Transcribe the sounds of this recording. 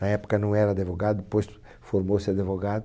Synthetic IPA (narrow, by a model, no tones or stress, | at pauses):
nɐɛpo̥kɐnɐ̃w̃ɛɾɐad̪evoɣad̪ud̪pojs | foɾmosɪɐd̪evoɣað